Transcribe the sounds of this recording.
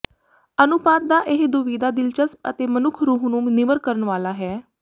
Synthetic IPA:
ənʊpaːt̪̚d̪aːʔeɦd̪ʊʋiːd̪aːd̪ɪlt͡ʃəsə̰t̪eːmənʊkʰɾuːɦnũːnɪməɾkəɾənʋaːlaːɦɛː

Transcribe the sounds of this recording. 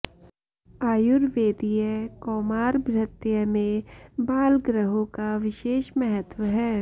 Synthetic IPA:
aːjʊɾʋeːd̪ijəkɔːmaːɾbʱɾət̪jəmẽbaːlɡɾəɦõkaʋɪʃeːʃmɛɦət̪wəɦɛː

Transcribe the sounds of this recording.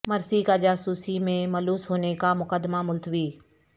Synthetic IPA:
mɐɾsikad͡ʒaːsuːsimẽmɐluːsɦoːnekamʊkəd̪mamʊlt̪ʰʋiː

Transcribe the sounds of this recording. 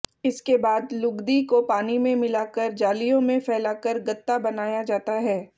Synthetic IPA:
ɪskebaːd̪lʊɡd̪ikopaːnimẽmɪlakəɾd͡ʒaːlijõmẽfɛːlaːkəɾɡɐt̪ːabɐnaːjad͡ʒaːt̪aɦɛː

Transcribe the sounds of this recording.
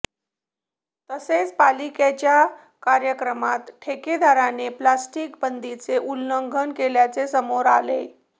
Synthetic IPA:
t̪əset͡spaliket͡ɕja | kaɾjəkɾəmat̪ʈʰeked̪ʱaɾaneplasʈikbənd̪it͡seʔulːəŋɡʱənkeljat͡sesəmoɾale

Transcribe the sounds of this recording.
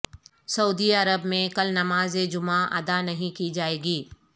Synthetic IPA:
sɐuːd̪iɐɾəbmẽkɐlnɐmaːzed͡ʒʊmaʔɐ̰d̪anɐɦĩkid͡ʒaːeːɡiː

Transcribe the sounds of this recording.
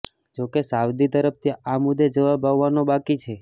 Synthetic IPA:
d͡ʒokesaʋd̪it̪əɾəp̚t̪ʰiamud̪ʱːed͡ʒəʋabaʋːanobakit͡ʃʰe

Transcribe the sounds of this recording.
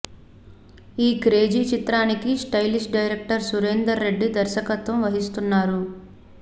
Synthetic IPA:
iːkɾe̞ːd͡ʒit͡ʃit̪ɾaːnikisʈɐjlisʈɖɐjɾek̚ʈɐɾsuɾend̪ɐɾːe̞ɖːid̪ɐɾʃɐkɐt̪ʋɐmʋɐɦist̪unːaːɾu

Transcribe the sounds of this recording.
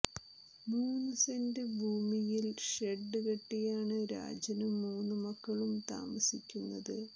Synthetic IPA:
muːnɨsɐndebʱuːmijilʂeɖːɨkɐʈːijaːɳɨɾa̰ːd͡ʑɐnɐmːuːnːumɐkːɐɭumt̪a̰ːmɐsikʲːunːɐðɨ

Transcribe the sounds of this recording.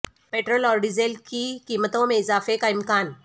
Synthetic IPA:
peʈɾəlɔɾɖid͡zelkikimət̪omeizaːfekajmkan

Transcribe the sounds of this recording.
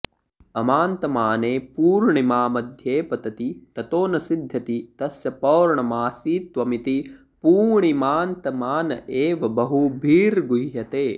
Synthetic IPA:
ɐmaːnt̪ɐmaːneːpuːɾɳimaːmɐd̪ʱjeːpɐt̪ɐt̪it̪ɐt̪oːnɐsid̪ʱːɐt̪it̪ɐsjɐpɐːɾɳɐmaːsiːt̪ʋɐmit̪i | puːɳimaːnt̪ɐmaːnɐʔeːʋɐbɐɦubʱiːɾɡuɦjɐt̪eː

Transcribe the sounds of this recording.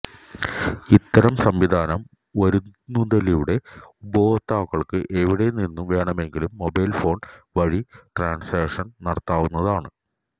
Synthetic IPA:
it̪ːɐɾɐmsɐmʋid̪ʱaːnɐm | ʋɐɾunːud̪ɐlijuɽe̞uboːɐt̪ːaːkːɐɭkɨʔeʋiɽe̞ninːumʋe̞ːɳɐme̞ŋɡilumːo̞bɐjlfo̞ːnʋɐɻiʈraːɳseːkʂɐnnɐɽɐt̪ːaːʋunːɐðaːɳɨ

